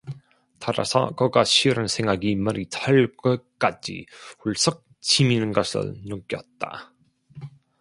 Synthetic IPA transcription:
taɾa̰sʰʌ̰kʌɡaɕʰiɯɾansʰeŋɡaɡimʌɾitʰaɭɡɯk͈ad͡ʑḭuɭs͈ʌk̚ | t͡ɕiminɯnɡʌsʰɯ̰nok͈jʌt̚t͈a̰

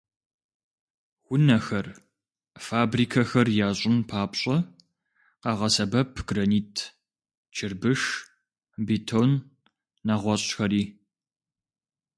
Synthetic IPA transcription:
wʷʊnɐxɐr | faːbriːkʰɐxɐrjaːɕʼɪnpʰaːpɕʼɐ | qɑʁɐsɐbɐpʰɡ̥rɐniːtʰ | t͡ʃʰɪrbɨʂ | bitʰonː | aʁʷɔɕʼxɐɾiː

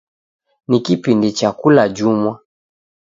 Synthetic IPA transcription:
nikipindit͡ʃakulad͡ʒumwa

